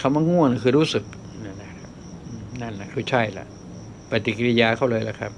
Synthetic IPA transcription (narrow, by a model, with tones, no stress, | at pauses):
kʰa˧˩ma˧ŋu˧˥˩əna˧˩kʰɯː˧˩ɾuː˧˥˨sɯ˨˩k̚ | na˧˩na˧˩a˧ | ʔna˧˩˨nla˧˨kʰɯː˧˩t͡ɕʰa˧˩˨jla̰˧˩ʔ | pa˧t̪i˧ke˧i˧jaː˧kʰa˧˩wlɤː˧jla˧˩kʰa̰˦˧p̚